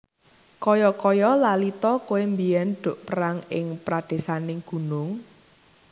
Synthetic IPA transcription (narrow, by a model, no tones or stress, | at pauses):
kɔjɔkɔjɔlalit̪ɔkowembijɛnɖ̪̥o̤ʔpəɾaŋɪŋpɾad̪̥e̤sanɪŋɡ̥ṳnʊŋ